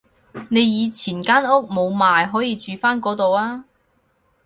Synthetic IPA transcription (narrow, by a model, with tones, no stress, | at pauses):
ne˨˧jjiː˨˧t͡sʰiː˨˩nkaː˥nʊ˥k̚mo˨˧wmaː˨˧jɦɔː˨˥jiː˨˧t͡ʃyː˨faː˥nkɔː˨˥t̪o˨waː˥